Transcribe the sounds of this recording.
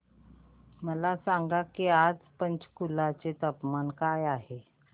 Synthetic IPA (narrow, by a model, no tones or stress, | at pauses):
məlasaŋɡakiad͡zpənt͡skulat͡set̪əpmankajaɦe